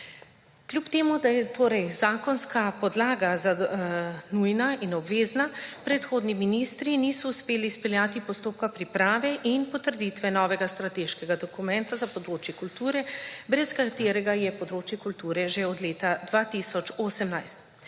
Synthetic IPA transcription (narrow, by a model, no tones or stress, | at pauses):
klʲjupt̪eːmud̪ajɛt̪oːɾɛjzaːkɔnskapɔd̪laːɡaza | nujnainɔbʋeːznapɾɛt̪xoːd̪niminiːst̪ɾinisɔuspeːlispɛljaːt̪ipɔst̪oːp̚kapɾipɾaːʋɛʔinpɔt̪əɾd̪iːt̪ʋɛnɔːʋɛɡast̪ɾat̪eːʃkɛɡad̪ɔkumɛnt̪azapɔd̪ɾoːt͡ʃjɛkult̪uːɾɛbɾɛskat̪eːɾɛɡajɛpɔd̪ɾoːt͡ʃjɛkult̪uːɾɛʒeɔd̪leːt̪ad̪ʋaːt̪isɔt͡ʃoːsɛmnajst̪